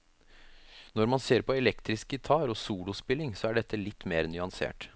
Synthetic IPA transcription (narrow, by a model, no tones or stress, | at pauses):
nɔɾmɑnseːɾpʰɔɛlɛkt̪ɾɪskɪt̪ʰɑːɾɔsuːlʊspɪlɪŋsɔæɖɛt̪ʰːəlɪt̪ːmeːɾnʏɑnsḛːʈ